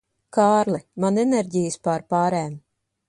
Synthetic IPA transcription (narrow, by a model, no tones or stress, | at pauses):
kaːɾlˠimanɛnɛɾɟijɨspaɾpaːɾɛːm